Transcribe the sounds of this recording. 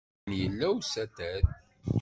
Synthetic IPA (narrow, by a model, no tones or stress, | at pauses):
njəlːæwsæt̪æð